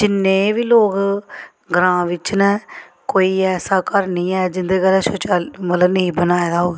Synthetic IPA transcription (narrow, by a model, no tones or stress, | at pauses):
d͡ʒɪnːẽːʋiːloːk | ɡɾãːʋɪt͡ʃnɛ̃ː | koːiːɛːsaːkəɾnĩːɛːd͡ʒɪnd̪eːkəlɛːsot͡ʃaːmət̪ləbnəĩːbənaːɛd̪aːɦoːɡeː